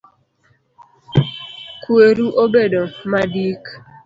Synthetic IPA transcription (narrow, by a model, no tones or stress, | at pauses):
kweɾuʔobedomadik